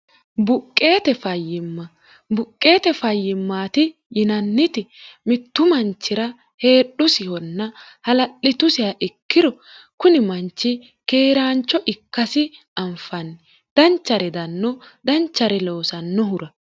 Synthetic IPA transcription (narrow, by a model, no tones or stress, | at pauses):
bʊkʼːe̞ːt̪ɛfɐjːɪmːɐ | bʊkʼːe̞ːt̪ɛfɐjːɪmːaːt̪ɪ | jɪnɐnːɪt̪ɪmɪt̪ːʊmɐnt͡ʃːɪɾɐ | he̞ːɗːʊsɪhɔnːɐ | hɐlɐɗɪt̪ʊsɪɐʔɪkːɪɾɔ | kʊnɪmɐnt͡ʃːɪ | ke̞ːɾaːnt͡ʃːɔʔɪkːɐsɪ | ɐmfɐn | d̪̥ɐnt͡ʃːɐɾɛd̪ɐnːɔd̪ɐnt͡ʃːɐɾɛlo̞ːsɐnːɔɦʊɾɐ